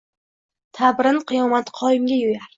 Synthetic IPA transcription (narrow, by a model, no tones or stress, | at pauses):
t̪ʰabɾɪnqʰɨjɒmat̪qʰɒjɪmɡʲajojaɾ